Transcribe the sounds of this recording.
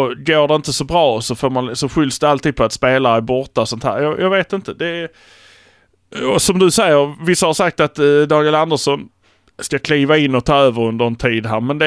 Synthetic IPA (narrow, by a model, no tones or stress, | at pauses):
ɔɡoːɖɛɪnt̪əsɔbɾɑːɔsɔfoːɾmansɔɧʏlsd̪ɛalt̪ʰiːd̪pɔat̪speːlabɔɾt̪ːasɔnt̪ʰhæ̰ːɾjɑjʔɑːɡveːt̪ɪnt̪əd̪ɛ | ɔsɔmd̪ɵsɛjːəɾvɪsːahaɾʂak̚t̪at̪d̪ɑːɡɪɪland̪əʂɔn | skakʰliːvaɪnːɔt̪ʰɑːøːvəɾɵnd̪əɾɛnt̪ʰiːd̪ɦæːɾmɛnd̪ɛ